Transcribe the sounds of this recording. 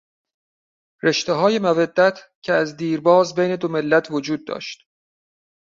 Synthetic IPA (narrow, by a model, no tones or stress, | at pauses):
ɾe̞ʃt̪eɦɒːje̞mævæd̪ːæt̪ʰ | cʰeæzd̪iːɾbɒːzbejne̞d̪ome̞lːæt̪ʰvod͡ʒuːd̪̚ːɒ̰ːʃt̪